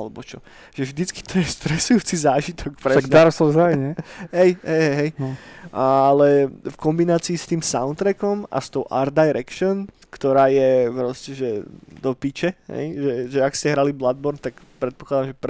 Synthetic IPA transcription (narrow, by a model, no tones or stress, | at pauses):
alɛbɔt͡ʃɔ | ʒ̥ɛvʒd̪it͡ski̥t̪ʰɔjɛst̪ɾɛsujuːt͡sizaːʒit̪ʰɔkpɾɛad̪aɾɔslɔzɾajɲɛɦɛjɦɛjɦɛjɦɛjnaalɛfkɔmbinaːt͡siːst̪iːmsaʊnt̪ɾɛkɔma̰st̪ɔʊʔa̰ɾd̪̚d̪ajɾɛkʃɔn | kt̪ɔɾaːjɛpɾɔscɛʒɛd̪ɔpit͡ʃɛɦɛ̰jʒɛʒɛakscɛɦɾaliblad̪̚bɔɾnt̪akpɾɛt̪̚pɔklad̪amʒɛp